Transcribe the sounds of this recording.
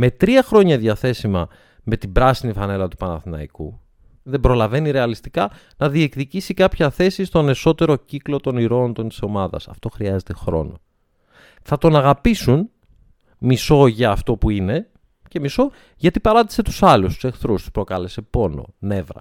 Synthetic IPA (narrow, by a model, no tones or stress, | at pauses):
me̞t̪ɾiɐxɾo̞ɲɐðʝɐθe̞simɐ | me̞t̪ibɾɐsinifɐne̞lɐt̪u̥pɐnɐθinɐ̰ḭkṵ | ðe̞bɾolɐve̞niɾe̞ɐlist̪ikɐ | nɐðie̞kðicisikɐpçɐθe̞sist̪one̞so̞t̪e̞ɾo̞ciklo̞t̪o̞niɾo̞nt̪o̞nt̪i̥so̞mɐðɐ̰sɐ̰ft̪o̞xɾiɐze̞t̪e̞xɾo̞̰no̞ | θɐt̪o̞nɐɣɐpisun | miso̞ʝɐːft̪o̞puine̞ | ce̞miso̞ | ʝɐt̪ipɐɾɐd̪i̥se̞t̪u̥sɐlust̪u̥sexθɾust̪u̥spɾo̞kɐle̞se̞po̞no̞̰ne̞vɾɐ̰